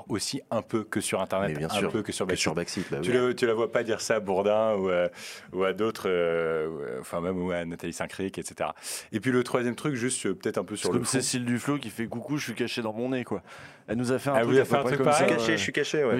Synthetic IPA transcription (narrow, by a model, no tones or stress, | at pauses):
osiɛ̃pøkəsyʁɛ̃t̪ɛʁnɛbjɛ̃ɛsyʁpøkəsyʁbasʁbaksit̪at̪ylət̪yləvwapad̪iʁsaːbuʁd̪ɛ̃uøuad̪ot̪χøø̰ɑ̰̃fɛ̃mɛmuanat̪alisɛ̃kχikɛt̪se̥t̪eʁa̰epɥilət̪χwazjɛmt̪χykʒyst̪øpə̥t̪ɛt̪χɛ̃pøsyʁlkɔmsesild̪yflokʲifɛɡukuʒʃɥikaʃed̪ɑ̃mɔ̃nekwa | ɛlnuzafɛɛ̃tɛlvuzafɛɛ̃t̪χykpaʁɛijkaʃeʒsɥikaʃewɛ